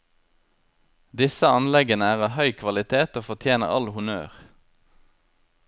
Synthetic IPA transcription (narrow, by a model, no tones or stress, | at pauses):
d̪ɪsəɑnlɛɡənəæːʁɑːʋhœʏkʰʋɑlɪt̪ʰeːt̪oːfɔt̪ʰjeːnə̰ʁɑ̰lhʊmø̰ːʁ